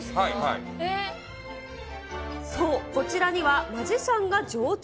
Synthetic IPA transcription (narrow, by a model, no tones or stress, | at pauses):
aihai | so̞ːko̞t͡ɕiɾaɲ̟iβamaʑisãŋɡad͡ʑo̞ː